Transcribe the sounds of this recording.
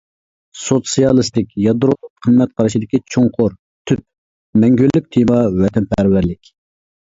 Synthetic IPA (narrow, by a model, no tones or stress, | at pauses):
sot̪sijɑlˠɨst̪ɪkʲjɑd̪ɾoqʰəmːɛt̪̚qʰɑɾɨʃid̪ɪkʲit͡ʃʰoŋqʰʊɾ | t̪ʰyp̚ | mɛŋɡʲølːyk̚ʲt̪ʰemɑwɛt̪ʰɛnpʰæɾvæɾlɪkʲ